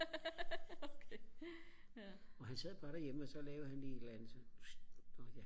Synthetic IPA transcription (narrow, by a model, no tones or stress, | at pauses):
okʰe | ɒ̽ɦænsɛð̞̰ˠb̥ɑ̈ːɾ̥æ̈jeməɒ̽sɒ̽lɛːʊð̩ˠhænliːed̥læn̰ð̩ˠsɒ | ɒja